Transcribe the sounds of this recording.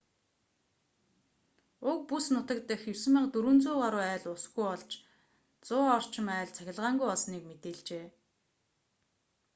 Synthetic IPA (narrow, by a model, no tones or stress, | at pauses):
ʊk̚pusnʊt̪ə̆k̚t̪ɘ̆xewsɘ̆mə̆qt̪uɾŭnt͡sʊːɢaɾʊːæːɮʊsɡujɔɮt͡ɕ | t͡sʊːɔr̥t͡ɕʰɪ̆mæːɮt͡sʰæxʲɪ̆ɮʁaːŋɡujɔɮsniːkmet̪eːɮt͡ɕeː